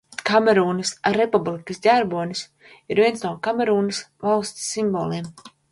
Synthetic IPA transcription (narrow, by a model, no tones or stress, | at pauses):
kamɛɾuːnɨsaepublˠikəsdʲaɾbuɔnis | iɾvʲiɛnsnuɔkamɛɾuːnəsvalˠst̪ʲsːimboːlˠiɛm